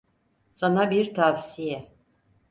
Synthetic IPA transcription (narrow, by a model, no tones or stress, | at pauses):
sanabiɾt̪ʰavsijɛ